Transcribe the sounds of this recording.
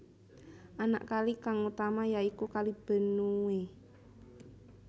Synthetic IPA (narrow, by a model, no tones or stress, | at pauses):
ʔana̰ʔkalikaŋut̪amajaikukalib̥ə̤nue